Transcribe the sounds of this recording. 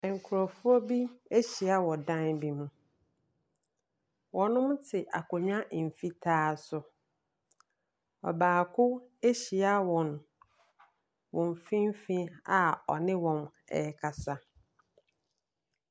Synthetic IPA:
ɛ˨ŋ̩˨kʰʊ˨ɾɔ˨fu˦ɔ˦bi˦e˦ɕi˨a˦wɔ˨dã˦nbi˦mũ˨ | wɔ̃˨nʊ̃˦m˦tʰɪ˨ʔa̰˨kɔ˨ɲᶣ˦ã˦ʔm̩˨fi˦tʰaː˦sʊ˨ | ɔ̰˨baː˨kʰʊ˦e˦ɕi˨a˦wɔ̃˨n | wɔ̃˨m˨fĩ˦m˦fĩ˦a˨ɔ̰˨nɪ̃˦wɔ̃˨m | ɛ̰˨ɛ˦kʰa˨sa˦

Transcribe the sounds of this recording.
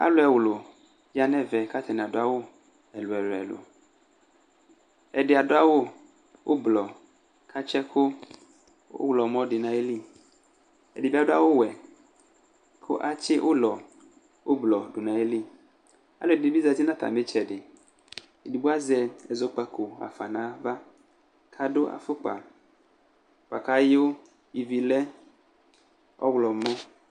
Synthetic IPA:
a̰˦lo˨˦ɛ˨wlo˨ | ja˨nɛ̃˦vɛ˨ka˦t̪ʰɛ˨nɛ̃˨a˨dʊ˨˦a˨wo˦ | ɛ˨lo˨ɛ˨lo˨ɛ̰˨lo̰˨ | ɛ˨dɪ˨a˨dʊ˦a˦wo˦ | wʔo˦blɔ˨ | kʰa˦t͡ʃɛ˦kʰʊ˦ | o̰˦wlɔ˨mɔ̃˦ɖɪ˨nã˨e˦li˦ | ɛ̰˨di˨bi˦a˨dʊ˦a̰˦wo˦wɛ˨ | kʰo̰˦ʔa˦t͡ʃɪ˦wʔo˦lɔ˨ | wʔo˦blɔ˨dʊ˨nã˨e˦li˦ | a̰˦lo˨dɪ˨bi˦za˨d͡ʒi˦nã˦t̪a̰˨mɪ˦t͡ʃɛ˨dɪ˨ | e˨di˨bu˦a˦zɛ˨ɛ˨zo˦k͡pa˨kʰo˨a̰˨fa˨nã˨˦va˦ | kʰa˨dʊ˦ʔa̰˨fʊ˦k͡pa̰˨ | k͡pa̰˨ka˨˦jʊ˦ | i˨vi˨lɛ˦ | ɔ̰˦wlɔ˨mɔ̃˦

